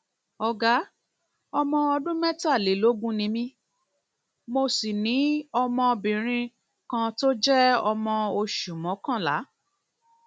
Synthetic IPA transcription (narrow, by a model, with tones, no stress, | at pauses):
ɔ˧ɡa˦ | ɔ˧mɔ̃˧ɔ˧dũ˦mɛ˦ta˦˨le˨˦lo˨˦ɡũ˦nĩ˧mĩ˧ | mo˧si˨nĩ˨˦ɔ˧mɔ̃˧bĩ˨ɾ̃ĩ˧ | kã˧to˦d͡ʒɛ˦ɔ˧mɔ̃˧o˧ʃu˨mɔ̃˨˦kã˦˨la̰˨˦